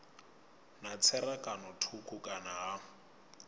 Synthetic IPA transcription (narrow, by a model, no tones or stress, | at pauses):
nat͡sʰɛrakʼanɔtʰukʰʊkʼanaɦa